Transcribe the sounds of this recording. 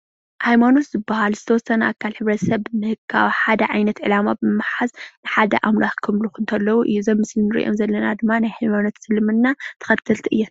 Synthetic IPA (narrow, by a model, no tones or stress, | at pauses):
hajmano̞t̪zɨbːahalzɨt̪ʰɐwɔsːɐnʔakʰːalħɨβɾɐt̪sɐβmɨhɨkʰːa̰wħad̪ɐʕajnɐt̪ʕɨlamabɨmmaħaznɨħad̪ɐ̰ʔamlaxkʰɨmlukʰɨnt̪ʰɐlːɐwuʔɨjːuzɐmːɨslinɨɾḭʔo̞̰mzɐlːɐnad̪ɨmːanajhajmano̞t̪sɨlmɨnːat̪ʰɨ̥xɐt̪ʰːɨlt̪ʰiʔɨjːon